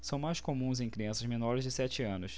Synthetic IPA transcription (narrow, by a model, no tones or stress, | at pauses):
sɐ̃w̃majskomũzẽj̃kɾiɐ̃sɐzmenɔɾɪzd͡ʒɪsɛt͡ʃɪɐ̃nʊs